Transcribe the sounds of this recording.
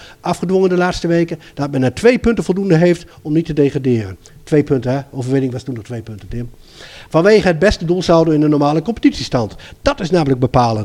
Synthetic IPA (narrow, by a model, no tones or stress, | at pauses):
ʔɑfχədʋɔŋəndəlaːtstəʋejkəd̥ɑt̚mɛnətʋejpɵntəv̥ɔlˠdundəɦejft | ɔmnitədejχradɪːrən | tʋejpɵntəɦɛowvəɹʋɪnɪŋʋɑstundɔχtʋejpɵntətɪm | fɑnʋeːχəɦəd̚bɛstədulˠsawdənɪndənɔɹmaːləkɔmpə̥titsistɑntd̥ɑtɪsnaːmələɡ̚bəpaːlən